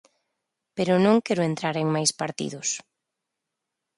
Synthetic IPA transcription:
peɾʊnõŋkɛɾʊent̪ɾaɾeŋmajspaɾt̪ḭðʊs

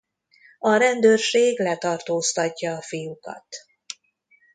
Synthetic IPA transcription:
ɒɾɛnd̪øːrʃeːɡlɛt̪ɒrt̪oːst̪ɒcːɒːfijukɒ̰t̪

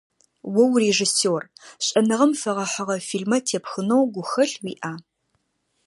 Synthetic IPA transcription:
wɐwreʒɨsoːrɕʼɐnɨʁɐmfɐʁɐħəʁɐfiːlmɐtʰeːpxɨnowɡʷʊxɐɬwḭːʔaː

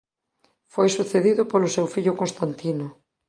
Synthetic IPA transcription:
fojsuθeðiðʊpolosewfiʎʊkonst̪ant̪ino

